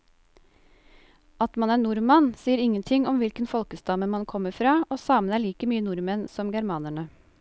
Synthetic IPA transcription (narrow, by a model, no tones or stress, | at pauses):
ɑt̪mɑnæːɳʊɾmɑnsiːəɾɪŋənt̪ʰɪŋɔmʋɪlkənfɔlkəst̪ɑməmɑnkʰɔməfɾɑːʔoːsɑːmənæːɭiːkəmyːənʊɾmənsɔmɡæɾmɑːnæɳə